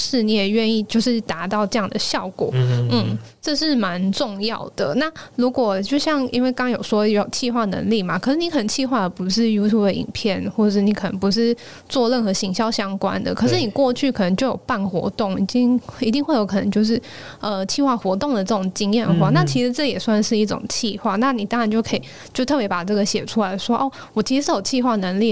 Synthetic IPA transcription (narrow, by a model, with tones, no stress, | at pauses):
ʂɻ̩˥˧ni˧˥jɛ˨˩ɥɛ˥˧ni˥˧t͡ɕjo˥˧ʊʂɻ̩˥˩t̪a˧˥t̪ɑ˥˧ʊʈ͡ʂɤ˥˧jɑ˥˩ŋd̪ə˨˩ɕjɑ˥˩ʊkwɔ̰˨˩˦n̩˥˩ʈ͡ʂɤ˥˧ʂɻ̩˥˩ma˧˦nʈ͡ʂʊ˥˧ŋjɑ˥˩ʊd̪̥ə˩na˥˩ɻu˧˥kwɔ˨˩t͡ɕjo˥˧ʊɕjɑ˥˧ŋi˥nwe˥˩ɪkɑ˥ŋjo˨˩ʊʂwɔ˥˩jo˨˩ʊt͡ɕʰi˥˧xwa˥˩nə̰˧˥ŋli˥˩ma˩kʰɤ˨˩ʂɻ̩˥˩ni˧˥xɤ˨˩ə˧˦nt͡ɕʰi˥˧xwa˥˩d̪ə˩pu˧˥ʂ̬ɻ̩˥˩ju˥t̪ʰu˥˩d̪ə˩˨ḭ˨˩npʰjɛ˥˩nxwɔ˥˩˨ʂɻ̩˥˩ni˧˥kʰɤ˨˩nə̰˧˥ŋpu˧˦ʂ̬ɻ̩˥˧ | t͡swɔ˥˧lə˥˩nxɤ˧˥ɕi˧˥ŋɕjɑ˥ʊɕjɑ˥ŋkwa̰˥nd̪ə̰˨kʰɤ˨˩ʂ̬ɻ̩˥˩ni˨˩kwɔ˥˧t͡ɕʰy˥˩kʰnə˧˥ŋt͡ɕjo˥˩ʊjo˨˩ʊpa˥˩nxwɔ̰˧˥t̪ʊ˥˩ŋi˧˩t͡ɕi˥˧ŋ˥˩i˧˥t̪i˥˧ŋxwe˥˩ɪjo˧˥ʊkʰɤ˨˩nə˧˦ŋt͡ɕjo˥˧ʊʂ̬ɻ̩˥˩ | ə˧t͡ɕʰi˥˧xwa˥˩xwɔ˧˥t̪ʊ˥˩ŋd̪ə˩ʈ͡ʂɤ˥˩ʈ͡ʂʊ˨˩ŋt͡ɕi˥ŋjɛ˥˧nxwa˥˧na˥˩t͡ɕʰi˧˥ʂɻ̩˧˥ʈ͡ʂɤ˥˩˨jɛ˨˩swa˥˧nʂɻ̩˥˧i˥˩ʈ͡ʂʊ̰˨˩ŋt͡ɕʰi˥˧xwa˥˩na˥˩ni˨˩t̪ɑ˥ŋɻa˧nt͡ɕjo˥˩ʊkʰə˧˥i˨˩ | t͡ɕjo˥˧ʊt̪ʰɤ˥˩pjɛ˧˥pa˨˩ʈ͡ʂɤ˥˩ɡə˩ɕjɛ˨˩ʈ͡ʂʰu˥la˧˥ɪʂwɔ˥ʔɔ˥˩ | wɔ˨˩t͡ɕʰi˧˥ʂ̩˧ʂɻ̩˥˩jo˨˩ʊt͡ɕʰi˥˧xwa˥˩ə˩nə˧˥ŋli˥˩